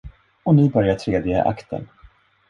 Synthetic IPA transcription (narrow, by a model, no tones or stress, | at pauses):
ɔnɪbœɾjaʈʰɾeːd̪ɪɡə̰ʔa̰kt̪ə̰n